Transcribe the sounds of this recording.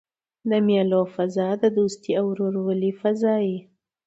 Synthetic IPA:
d̪əmjalofazɑd̪əd̪ust̪iawɾoɾawəlifazɑji

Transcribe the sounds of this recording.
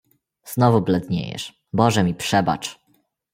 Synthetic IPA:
z̥nɔvublɛd̪ɲḛjɛ̰ʂ | bɔʐɛmʲipʂɛba̰t͡ʂ

